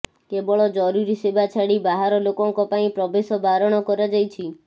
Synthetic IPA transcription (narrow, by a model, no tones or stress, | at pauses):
kebɔɭɔd͡ʒɔɾuɾisebʱat͡ʃʰaɽibaɦaɾɔlokɔŋkɔpaĩpɾɔbesɔbaɾɔɽ̃ɔkɔɾad͡ʒajt͡ʃʰi